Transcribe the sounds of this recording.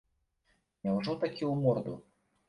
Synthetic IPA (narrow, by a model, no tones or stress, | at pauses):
nʲawʐɔt̪akʲʰiwmɔrd̪ṵ